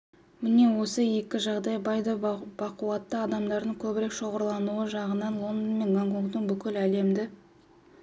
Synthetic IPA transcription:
mɪne̞wo̞səje̞kʲɪʒɑʁd̪ɑjbɑjd̪əbɑquwɑt̪ːəɑd̪ɑmd̪ɑɾd̪əɴkʲʰɵbɪɾe̞kʃo̞ʁəɾlˠɑnuəʒɑʁənɑnlˠo̞nd̪onme̞nɡaŋkoŋkt̪əɴbʏkʲɪlæle̞md̪ɪ

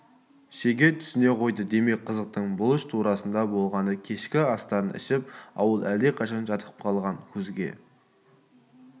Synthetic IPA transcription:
ʃeɡʲe̞t̪ʰʏ̥sɪne̞qʰo̞jd̪əd̪e̞me̞k̚ʲqʰəzəq̚t̪əɴbʊlˠɪʃt̪ʰuɾɑsənd̪ɑbo̞lˠʁɑnəkʲʰe̞ʃkʲɪɑst̪ɑɾənʔɪ̰ʃɪp̚ɑ̰wəlˠæld̪e̞qʰɑʃɑnʒɑt̪ʰəp̚qʰɑlˠʁɑŋkʲʰɵzɡʲe̞̰

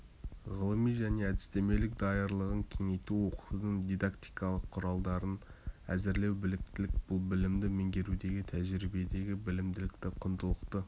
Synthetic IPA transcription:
ʁəlˠəmijʒæne̞æd̪ɪ̥st̪e̞me̞lɪk̚d̪ɑjəɾlˠəʁəŋkʲʰe̞ŋe̞jt̪uwo̞qu̥t̪əd̪əɴd̪ijd̪akt̪i̥jkɑlˠəqʰːʊɾɑlˠd̪ɑɾənæ̰zɪɾle̞wbɪlɪk̚t̪ɪlɪk̚b̥ʊlˠbɪlɪmd̪ɪmeŋɡʲe̞ɾud̪e̞ɡʲɪt̪ʰæʒɾibe̞d̪e̞ɡʲɪbɪlɪmd̪ɪlɪk̚t̪ɪqʰʊnd̪əlˠəqt̪ə

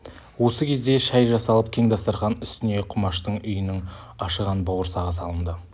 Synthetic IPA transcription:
wo̞səkʲʰe̞zd̪e̞ʃæjʒɑsɑlˠəp̚kʲʰe̞ŋd̪ɑst̪əɾʁɑnʏst̪ɪne̞qʰʊmɑʃt̪əɴʏjənɪŋɑʃəʁɑnbɑwəɾsɑʁəsɑlˠənd̪ə

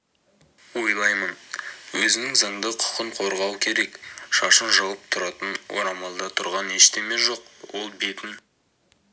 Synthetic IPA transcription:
wo̞jlˠɑjmənwɵzɪnɪŋzɑŋd̪əqʰʊ̥qəɴqʰo̞ɾʁɑwkʲʰe̞ɾe̞kʃɑʃənʒɑwəp̚t̪ʰʊɾɑt̪ənwo̰ɾɑmɑlˠd̪ɑt̪ʰʊɾʁɑneʃt̪e̞me̞ʒo̞qwo̞lˠbe̞t̪ɪn

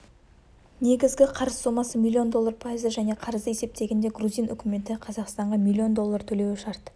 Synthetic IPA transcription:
ne̞ɡʲɪzɡʲɪqʰɑɾəzso̞mɑsəmilʲːio̞nd̪o̞lˠːarpʰaizəʒæne̞qʰɑɾəzd̪əese̞p̚t̪e̞ɡʲe̞nd̪e̞ɡruzijnʔʏ̰kʲɪme̞nt̪ɪqʰɑzɑqst̪ɑɴʁɑmʲilʲːio̞nd̪o̞lˠːɑɾt̪ʰɵle̞wɪʃɑɾt̪

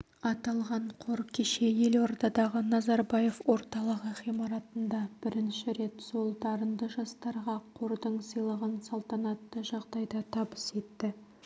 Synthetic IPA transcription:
ɑt̪ɑlˠʁɑɴqʰoɾkʲʰeʃe̞je̞lwoɾt̪ɑd̪ɑʁənɑzɑɾbɑje̞fwo̞ɾt̪ɑlˠəʁəχijmɑɾɑt̪ənd̪ɑb̥ɪɾɪnʃɪɾe̞t̪so̞lˠd̪ɑɾənd̪əʒɑst̪ɑɾʁɑqʰo̞ɾd̪əɴsijlˠəʁənsɑlˠt̪ɑnɑt̪ːəʒɑʁd̪ɑjd̪ɑt̪ʰɑbəse̞t̪ːɪ

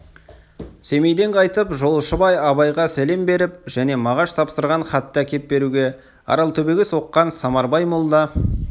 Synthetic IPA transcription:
se̞mejd̪e̞ɴqʰɑjt̪əpʒo̞lˠəʃəbɑjɑβɑjʁɑsæle̞mbe̞ɾɪpʒæne̞mɑʁɑʃt̪ʰɑpsəɾʁɑɴχɑt̪ːəækʲe̞t̪̚be̞ɾuɡʲe̞ | ɑ̰ɾɑlˠt̪ʰɵbe̞ɡʲeso̞qːɑnsɑmɑɾbɑjmolˠd̪ɑ

